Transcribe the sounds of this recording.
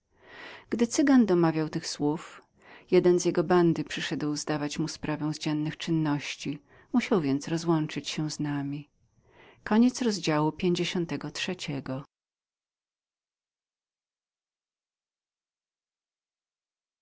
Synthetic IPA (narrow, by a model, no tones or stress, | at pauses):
ɡ̥d̪ɘt̪sɘɡand̪ɔmavʲjawt̪ɘxswuf | jɛd̪ɛnzjɛɡɔband̪ɘpʂɘʂɛd̪wzd̪avat͡ɕmuspɾʔavɛw̃zd͡ʑɛnːɘxt͡ʂɘnːɔɕt͡ɕi | muɕawvʲjɛnt̪sɾɔzwɔnt͡ʂɘt͡ɕɕɛznamʲi | kɔɲɛt̪sɾɔzd͡ʑawupʲjeɲd͡ʑeɕɔnt̪ɛɡɔtʂɛt͡ɕɛɡɔ